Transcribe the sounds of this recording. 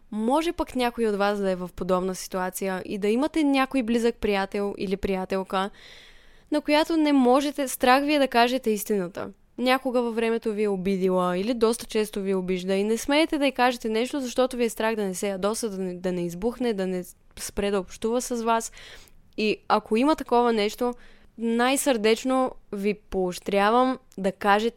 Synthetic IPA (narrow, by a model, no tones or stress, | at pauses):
mɔʒɛpəknʲakoiod̪vasd̪ɐɛvɐfpod̪ɔbnəsi̥t̪uat̪sijəʔḭd̪ɐimət̪ɛnʲakojblizək̚pɾijat̪ɛlˠḭlipɾijat̪ɛlˠkə | nɐkojat̪onɛmɔʒɛt̪ɛst̪ɾaxviɛd̪ɐkaʒɛt̪ɛist̪inət̪ə̰ | nʲakoɡəvɐvɾɛmɛt̪oviɛobid̪ilˠəilid̪ɔst̪ə̥t͡ʃɛst̪oviɛobiʒd̪əinɛsmɛːt̪ɛd̪ɐikaʒɛt̪ɛnɛʃt̪ozɐʃt̪ɔt̪oviɛst̪ɾaɣd̪ɐnɛsɛjɐd̪ɔst̪əd̪ɐɛd̪ɐnɛizbuxnɛd̪ɐnɛ | spɾɛd̪ɐopʃt̪uvəsɐzvas | iɐkʰoimɐt̪ɐkɔvənɛʃt̪o | najsəɾd̪ɛt͡ʃnovipoːʃt̪ɾʲavəmd̪ɐkaʒɛt̪